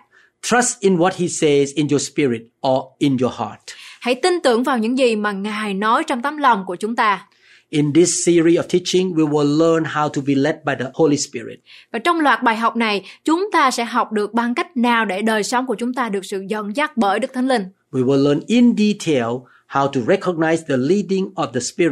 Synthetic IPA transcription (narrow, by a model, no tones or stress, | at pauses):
tʰɹ̥astɪ̃nwɔt̚hisezɪ̃njɔspiɹɪt̚ʔɔɪ̃njɔha̰tha̰jt̪int̪ɨ̰əŋvaːwɲɨ̰ŋzimaːŋaːjnɔjt͡ɕɔwŋ͡mt̪aːmlawŋ͡mkuət͡ɕʊŋ͡mt̪aː | ʔɪ̃ndɪsːiɹiɔv̥tʰit͡ʃɪ̃ŋwiwɪllənhawtʰubilɛt̚bajdəholispiɹɪ̰t̚vaːt͡ɕɔwŋ͡mlwaːt̚ɓaːjɦawk͡p̚najt͡ɕʊŋ͡mt̪aːsɛ̰ɦawk͡p̚ɗɨək̚ɓaŋkajk̟̚naːwɗeɗəːjsɔwŋ͡mkuət͡ɕʊŋ͡mt̪aːɗɨək̚sɨ̰zə̰nzak̚ɓəːjɗɨk̚t̪ʰajŋlïŋ | wiwɪlənɪ̃nditʰel | hawtuɹɛkʰɔɡ̚naɪsdəlidɪ̃ŋɔfdəspi